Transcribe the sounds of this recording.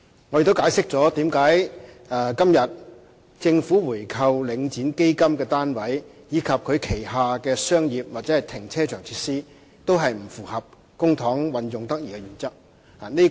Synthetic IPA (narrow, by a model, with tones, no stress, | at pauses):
ŋɔ˨˧je˨˧t̪o˥kaː˨˧˥jsɪ˥k̚t͡sɔː˨˥t̪iː˨˥mkaː˨˥j | ɛ˨˧kɐ˥mjɐ˨t̚ | t͡sɪ˧ŋfuː˨˥wuː˨˩jkʰɐ˧wlɪ˨˧˥ŋt͡siː˨˥nke˥jkɐ˥mkɛː˧t̪aː˥nwɐ˨˥j | jiː˨˧kʰɐ˨p̚kʰɵ˨˧ɥkʰe˨˩jɦaː˨kɛː˧sœː˥ŋjiː˨p̚waː˨t̚t͡sɛː˨˦˥ɐ˨jt̪ʰɪ˨˩ŋt͡sʰɛː˥t͡ʃʰœː˨˩ŋt͡sʰi̥ː˧˥t̚siː˥ | t̪o˥wɦɐ˨jm̩˨˩fuː˨˩hɐ˨p̚ | kʊ˥ŋt̪ʰɔː˨˥ŋwɐ˨njʊ˨ŋt̪ɐ˥k̚jiː˨˩kɛ˧jyː˨˩nt͡sɐ˥k̚ | a˨˩ne˥